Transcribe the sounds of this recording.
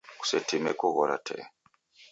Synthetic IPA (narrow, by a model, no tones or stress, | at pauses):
ku̥setimekuɣɔɾa̰tʰɛ̰